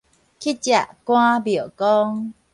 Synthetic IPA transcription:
kʰi˦˥t͡ɕa˨ʔkw̃ã˦bjɔ˨kɔ˦ŋ

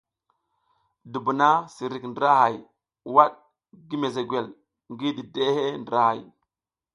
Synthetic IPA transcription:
du˨bu˨na˦si˨ɾi˨kndɾa˦ɦa˨j | wa˦ɗ | ɡi˦me˨ze˨ɡwe˨l | ŋɡi˦di˨de˦he˦ndi˨ɾa˦ha˨j

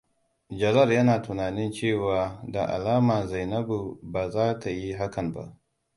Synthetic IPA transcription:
d͡ʒɐ˨zɐ˦˨rjɐ˦naː˨tʊ˨naː˨nɪ˦nt͡ʃeː˦˨waː˨da˨ʔa̰˨laː˦maː˨za˨jnɐ˦bu˨baː˨zaː˦tʰa˨ji˦ɦa˦kɐ˨mba̰˦ʔ

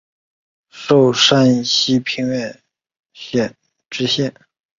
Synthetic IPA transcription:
ʂo˥˩ʊʂa˥nɕi˥pʰi˧˥ŋɥɛ˥˧n | ɕɛ˥˩ | ʈ͡ʂɻ̩˥ɕjɛ˥˩n

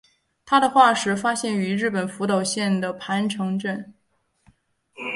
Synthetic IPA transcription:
t̪ʰa˥d̪ə˨xwa˥˩ʂɻ̩˧˥fa˥ɕjɛ˥˩ny˧˥ɻɻ̩˥˩pə˨˩nfu˧˥t̪ɑ˨˩ʊɕjɛ˥˩nd̪ə˩pʰa˧˥nʈ͡ʂʰɤ˧˥ŋʈ͡ʂə˥˩n

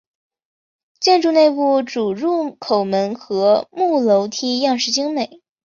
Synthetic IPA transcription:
t͡ɕjɛ˥˧nʈ͡ʂu˥˧ne˥˧ɪpu˥˩ʈ͡ʂu˨˩ɻu˥˩kʰo˨˩ʊmə˧˥nxɤ˧˥mu˥˩lo˧˥ʊt̪ʰi˥jɑ˥˧ŋʂɻ̩˥˩t͡ɕi˥ŋme˨˩˦ɪ

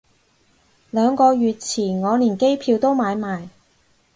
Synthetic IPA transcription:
lœː˨˧ŋkɔː˧ɥyː˨t̚t͡sʰiː˨˩nŋɔː˨˧liː˨˩nke˥jpʰiː˧wt̪o˥wmaː˨˧jmaː˨˩j

